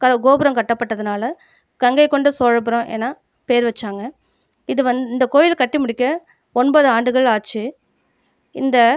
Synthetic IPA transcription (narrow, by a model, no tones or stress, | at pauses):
kɐɡoːbɐɾɐmkɐʈːɐpːɐʈːɐðɯnaːlɐ | kɐŋɡɐɪkːɔɳɖɯsoːɻɐp̬ːɯɾõʔḛːnːaː | peːɾʋɐt͡ʃːaːŋɡɐ | ɪðɯʋɐnd̪ɯɪnd̪ɐkoːjɪlkɐʈːɯmʊɽɪkːɐ | ɔɳboːðɯaːɳɖɯɣɐɭaːt͡ʃːɯ | ɪnd̪ɐ